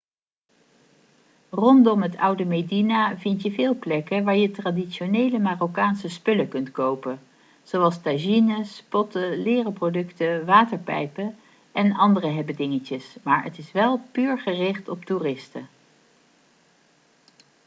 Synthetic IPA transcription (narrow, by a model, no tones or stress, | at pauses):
rɔndɔmɦətʌwdəmejdinavɪntjəvɪːlˠplɛkəʋaːɹjətraːdiʃonejləmaːrokaːnsəspɵləkɵntkowpən | z̥owɑlˠstaʒinəspɔtəlɪːrəprodɵktəʋaːtəɹpɛ̰jpə | ʔɛnɑndərəɦɛbədɪŋəcəsmaːɹə̰tɪsʋɛlˠpyːɹχərɪχtɔp̚turɪstə